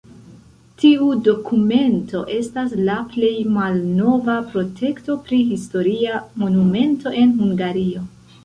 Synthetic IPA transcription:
tiudo̞kume̞ntʰo̞ʔe̞stas̬laple̞jmalno̞vapɾo̞tʰe̞kto̞pɾiɦisto̞ɾiamo̞nume̞nto̞ʔe̞nhuŋɡaɾio̞

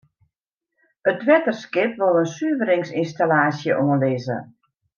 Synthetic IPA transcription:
ət̚ʋɛtərskɪpʋolˠənsyəvəɾɪŋsinstalaːsjəʔoənlɪːzə̰

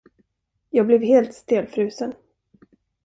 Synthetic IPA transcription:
jɑːɡ̚blɛvɦeːlt̪st̪eːlfɾʉ̟ːsən

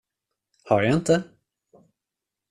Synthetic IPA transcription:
haɾjaɪnt̪ʰə

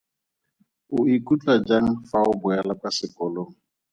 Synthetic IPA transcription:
ʊikʼut͡ɬʼad͡ʒaŋ̩faʊbʊalakasɪkʼɔloːŋ̩

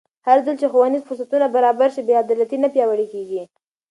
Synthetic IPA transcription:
haɾzəlt͡ʃexawanizfʊɾsat̪unabaɾɑbaɾʃibead̪ɑlat̪inapjɑwəɽekeɡi

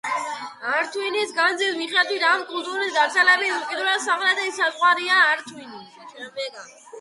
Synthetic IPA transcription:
aɾt̪ʰwinisɡanzismiχɛt̪ʰwiɾamkʼult̪ʼuɾisd̪aɾt̪sʰɛlɛbiukʼɛd̪uɾasamlad̪ɛisazʁwaɾiaːɾt̪ʰwini | mɛɡa

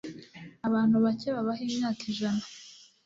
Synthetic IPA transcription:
aβaːn̥huβaceβaβaɦiːmɲaːkʰiʒana

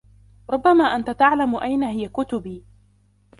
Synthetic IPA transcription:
ɾˤʊbːamaːʔant̪at̪aʕlamʊʔajnaɦɪjakʊt̪ʊbiː

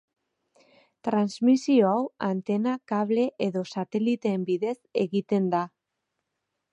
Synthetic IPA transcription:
t̪ɾanzmisio̞awant̪e̞nakaβle̞ʔeðo̞sat̪e̞lit̪e̞ːmbiðese̞ɣit̪e̞nd̪a

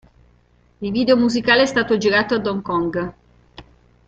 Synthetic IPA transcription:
ilviːd̪eomuzikaːleɛst̪aːt̪od͡ʒiɾaːt̪oad̪ɔŋkɔŋɡ

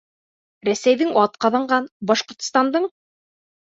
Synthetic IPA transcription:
ɾæsæjðɘŋɑt̪̚qɑðɑɴɢɑnbɒʃqŏɾt̪̆st̪ɑnd̪ɤɴ

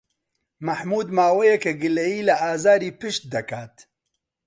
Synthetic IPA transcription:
mɐħmuːd̪maːwɛjɛkɐɡɨlɐjiːlɐʔaːzaːɾiːpɨʃt̪̚d̪ɐkʰaːt̪

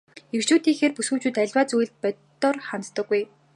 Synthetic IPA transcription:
ekt͡ɕuːt̪iːŋxeːrpusŭwt͡ɕuːt̪æɮʲwaːt͡suj̆ɮt̪̚pœtt̪ɔrχant͡st̪ɞ̆ɡːuj

